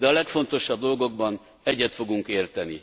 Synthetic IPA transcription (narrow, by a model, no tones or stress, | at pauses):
d̪ɛɒlɛkfo̞nt̪o̞ʃɒb̚d̪o̞lɡo̞ɡ̚bɒn | ɛɟːɛt̪fo̞ɡuŋkeːrt̪ɛni